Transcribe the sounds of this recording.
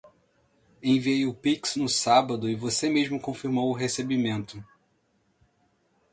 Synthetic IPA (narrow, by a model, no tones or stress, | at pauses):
ẽviejʊpiksnʊsabɐd̪ʊɪvosemeʒmʊkõfiɾmowʊɦesebimẽnt̪ʊ